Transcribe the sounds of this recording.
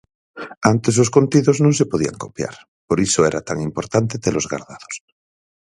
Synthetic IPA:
ant̪esoskont̪iðoznũŋsepoð̞ia̰ŋko̰pja̰ɾ | poɾisoeɾat̪aŋimpo̞ɾt̪ant̪et̪elozɣa̰ɾðaðos

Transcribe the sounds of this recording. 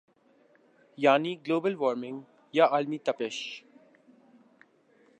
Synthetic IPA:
jaːniɡloːbəlʋɔːɾmɪ̃ŋɡ | jaʔaːlmit̪ɐpɪʃ

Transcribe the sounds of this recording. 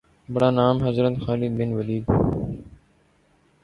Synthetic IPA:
bəɽaːnaːmɦɐzɾət̪xaːlɪd̪bɪnʋəliːɡ̪

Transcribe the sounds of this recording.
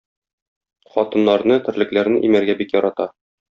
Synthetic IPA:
χɒt̪ɤ̆nːɑɾnɤt̪ɘ̆ɾlɘ̆klæɾnɘʔimæɾɡæbikjɒɾɑt̪ɑ

